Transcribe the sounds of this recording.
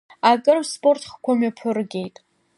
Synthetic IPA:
akʼɨrspʼo̞rtʰχkʷʰamɥapʰɨrɡʲe̞jtʼ

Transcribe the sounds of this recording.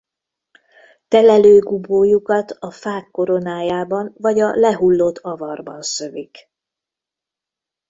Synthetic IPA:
t̪ɛlɛløːɡuboːjukɒt̪ɒfaːkːo̞ɾo̞naːjaːbɒnvɒɟɒlɛɦulːo̞t̪ʰɒvɒrbɒ̰nsø̞vik

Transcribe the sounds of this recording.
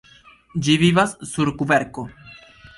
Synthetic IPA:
d͡ʒiβiβasːuɾkubeɾko

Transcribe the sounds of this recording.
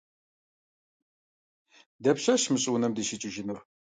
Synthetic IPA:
dɐpɕɐɕmɨɕʼʊnɐmdɨʃɪt͡ʃʼɪʒɪnɐχ

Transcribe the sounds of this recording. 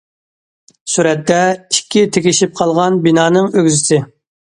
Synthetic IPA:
suɾɛt̪ːɛikʲʰːit̪ʰekʲiʃip̚qʰɑlˠʁɑnbinɑːnɨŋøɡʲyzɪsɪ

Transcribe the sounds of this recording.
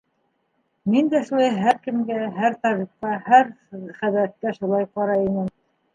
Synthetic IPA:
mind̪æʃlæjɦæɾkɘ̆mɡæɦæɾt̪ɑɾiqɑhæɾχæðɾæt̪̚kæʃulˠɑjqɑɾɑinɘm

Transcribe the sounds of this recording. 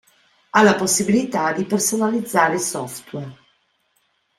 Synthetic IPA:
alːaposːibilit̪ad̪ipersonalid̪zːaːɾeisɔft̪wɛr

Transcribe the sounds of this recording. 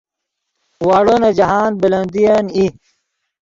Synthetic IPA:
waːɽonɐd͡ʑɐɦaːnbilɐnd̪ijɐni

